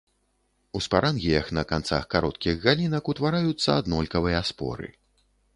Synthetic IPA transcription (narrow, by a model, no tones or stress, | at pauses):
uspaɾʔanɣʲijɐxnɐkant̪sa̰xkaɾɔt̪kʲiɣɣalʲinɐkut̪vaɾajut̪sːɐ̰ad̪nɔlʲkɐvɨjɐːspɔ̰ɾɨ̰